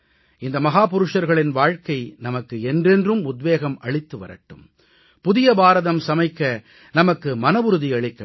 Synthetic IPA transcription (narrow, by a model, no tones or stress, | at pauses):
ɪnd̪ɐmɐɣaːp̬ʊɾɯʂɐɾɣɐɭɪnʋaːɻkɐɪnɐmɐkːɯɛndrɛndrɯmʊd̪ʋeːɣɐmʔɐɭɪt̪ːɯʋɐ̰ɾɐ̰ʈːɯm | pʊðɪjɐbaːɾɐðɐmsɐmɐɪkːɐ | nɐmɐkːɯmɐnɐʋʊɾɯðiɐɭɪkːɐ